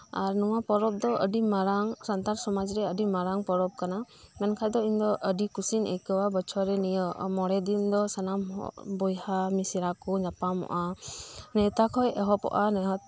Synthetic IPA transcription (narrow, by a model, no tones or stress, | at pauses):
aɾnɔwapɔɾɔp̚d̪ɔʔəɖimaɾaŋsant̪aɾsɔmad͡ʒɾɛəɖimaɾaŋpɔɾɔb̚kana | mɛnkʰajd̪ɔind̪ɔʔəɖikusinɛ̰jkɔwabɔt͡ʃʰɔɾɛnijɔʔmɔɽɛd̪imd̪ɔsanamhɔ̰bɔjhamisiɾakud͡ʒapamɔ̰ʔanɛt̪akʰɔjɛɦɔpɔ̰ʔanɛɦɔt̪